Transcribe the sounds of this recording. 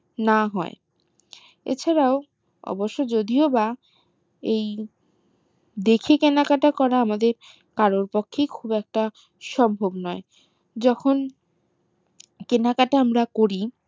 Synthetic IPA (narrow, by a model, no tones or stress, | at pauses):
naɦɔ̰e | ḛt͡ɕʰaɾao | ɔ̰boʃːod͡ʑod̪ioba | ej | d̪ekʰekenakaʈakɔɾaamad̪eɾ | kaɾoɾpokʰːejkʰubɛk̚ʈa | ʃɔmbʱobnɔe | d͡ʑɔkʰon | kenakaʈaamɾakoɾi